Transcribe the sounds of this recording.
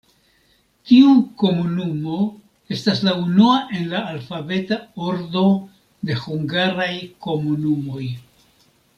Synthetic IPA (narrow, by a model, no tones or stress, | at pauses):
tiuko̞munumo̞ | e̞staslaunuaʔe̞nlaːlfabe̞tao̞ɾdo̞ | de̞huŋɡaɾajko̞munumo̞j